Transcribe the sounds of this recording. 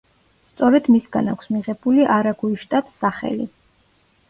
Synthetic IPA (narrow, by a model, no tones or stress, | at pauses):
st̪sʼɔɾɛd̪misɡanakʰʷsmiʁɛbuliʔaɾaɡuiʃt̪ʼat̪saχɛ̰li